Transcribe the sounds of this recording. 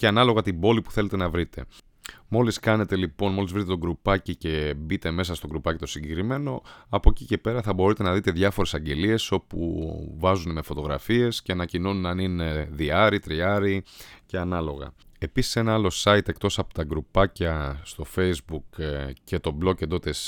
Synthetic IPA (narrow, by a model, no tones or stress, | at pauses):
ceɐnɐloɣɐt̪ibo̞lipu̥θe̞le̞t̪e̞nɐvɾit̪ʰe̞̰ | mo̞liskɐne̞t̪e̞lipo̞nmo̞lizvɾit̪et̪o̞ɡɾupɐcice̞bit̪e̞me̞sɐst̪o̞ɡɾupɐcit̪o̞siɲɟekɾime̞no̞ɐpo̞cice̞pe̞ɾɐθɐbo̞ɾit̪e̞nɐðit̪eðʝɐfo̞ɾesɐɲɟe̞lie̞so̞pṵvɐzuneme̞fo̞t̪o̞ɣɾɐ̰fie̞sceɐnɐcino̞nunɐnine̞ðiɐɾit̪ɾiɐɾice̞ɐnɐlo̞ɣɐ̰e̞pisi̥se̞nɐɐlo̞sɐit̪e̞kt̪o̞sɐpot̪ɐɡɾupɐcɐst̪o̞fe̞jzbukce̞t̪o̞blo̞kced̪o̞t̪es